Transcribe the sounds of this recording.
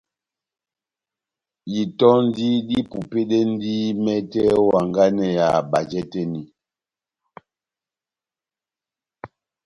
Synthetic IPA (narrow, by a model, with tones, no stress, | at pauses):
ji˨tɔ˦n˦di˦di˦pu˨pe˦ɗe˦n˦di˦mɛ˦tɛ˦wa˨ŋɡa˦nɛ˨ja˨ɓa˨d͡ʒɛ˦tɛ˦ni˨